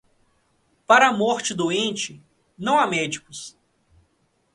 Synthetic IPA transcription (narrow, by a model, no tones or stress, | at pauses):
paɾɐmɔɾt͡ʃɪd̪oẽnt͡ʃɪ | nɐ̃w̃amɛd͡ʒikʊs